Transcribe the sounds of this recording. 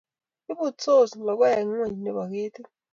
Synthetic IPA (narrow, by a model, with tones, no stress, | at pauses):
i˦ɓu˦˨t͡sʰo˦˨zi˨la˨k̬wa˦ɛ˨ŋwe˦˨ɲi˨nɛ˨ɓa˨k̬eː˦tʰi˦